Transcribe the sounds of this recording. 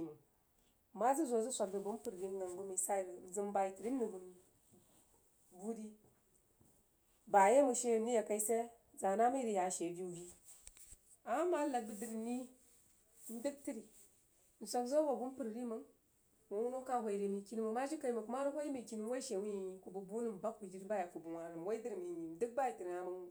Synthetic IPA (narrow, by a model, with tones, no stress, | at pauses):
ni˨ | ma˦zi˦zo˨zu˦sʷa˨k̚də˨bu˦n˦pu˨ɾɾi˦ŋa˨nɡu˦mi˨sa˦˨ɾn˨zi˦m˦ba˦i˨ti˨ɾi˦m˦ni˨ɡu˨n | bu˦di˦ | ba˨je˦mu˨ʃe˦˨ni˦ja˨ka˦i˦se˦ | za˨na˦mi˦ɾi˨ja˨ʃe˨bi˦˨vi˦ | a˨˦ma˦la˨k̚bə˨di˨ɾni˦ | n̩˦dɨ˦k̚ti˦ɾi˨ | n̩˨so˦kzo˦wo˨bu˦n˦pu˨ɾɾi˦mə˦n | mu˨˦u˦no˦ka˦ɦʷo˨i˨ɾi˨mi˨ki˦ni˨mə˨ma˦ʃi˦ka˨i˦mə˨ku˦ma˦ɾi˦ɦʷo˦i˦mi˨ki˨ni˨m˦wa˦ʃe˨wi˦˨ku˨bu˨bu˦ni˦˨m˨ba˦kːu˨d͡ʒi˦ɾba˦ja˨ku˨bu˨wa˨nɨ˨m˨wa˦i˦di˦ɾmi˨ɲi˨m˨˦dɨ˦k̚ba˦i˨ti˨ɾi˨na˨mə˦ŋ